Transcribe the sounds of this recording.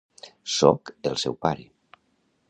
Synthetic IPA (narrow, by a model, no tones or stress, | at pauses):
sokelˠsɛwpaɾi